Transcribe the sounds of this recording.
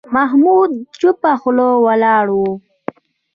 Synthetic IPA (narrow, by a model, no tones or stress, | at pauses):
maɦmud̪̚t͡ʃupaxʊlowalɑːɽwu